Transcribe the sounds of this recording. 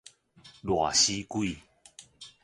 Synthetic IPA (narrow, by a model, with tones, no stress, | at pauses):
lwa̰˨˩ɕi˦kwi˥˨